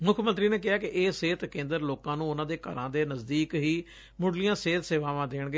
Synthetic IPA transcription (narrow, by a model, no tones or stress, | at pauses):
mʊkʰmə̃nt̪ɾiːneːk̬ɪaːkɪʔeːseːt̪kẽːnd̪əɾloːkãːnũːʊnãːd̪eːkə̰ɾãːd̪eːnəzd̪iːkɦiː | mʊɽlijãːseːt̪seːʋãːʋãːd̪eːɳ̃ɡeː